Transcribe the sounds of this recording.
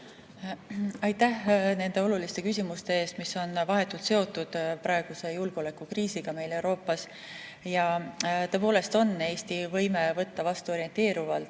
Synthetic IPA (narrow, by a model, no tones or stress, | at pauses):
ɑjt̪ːæhne̞nd̪e̞o̞lulist̪e̞kysʲimust̪e̞e̞ːst̪misːo̞nvɑɦe̞t̪ːˑult̪se̞o̞t̪ːˑud̪̥pɾɑe̞ɡ̥use̞julɡ̥ole̞kːˑukriːsiɡ̥ɑme̞jle̞wɾo̞ːpːˑɑs | jɑt̪ɤ̞epo̞ːle̞st̪o̞nːe̞ːsʲt̪ivɤjme̞vɤt̪ːɑvɑst̪uo̞ɾient̪ˑe̞ːɾuvɑlt̪